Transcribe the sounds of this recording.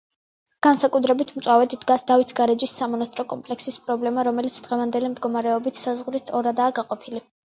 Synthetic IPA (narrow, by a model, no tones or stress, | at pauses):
ɡ̥ansakʼut̪ʰɾɛbit̪ʰmt̪sʼwavɛd̪id̪ɡasd̪avit̪ʰɡaɾɛd͡ʒisːamɔnast̪ʼɾɔkʼɔmpʼlɛksispʼɾɔblɛmaɾɔmɛlit̪sʰd̪̥ʁɛvand̪ɛlimd̪ɡɔmaɾɛɔbit̪ʰsazʁɾit̪ʰɔɾad̪aːɡaqʼɔpʰili